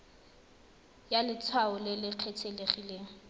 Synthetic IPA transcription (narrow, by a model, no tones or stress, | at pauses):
jalɪt͡sʰwaʊlɪlɪq͡χʰetʰeleχileːŋ̩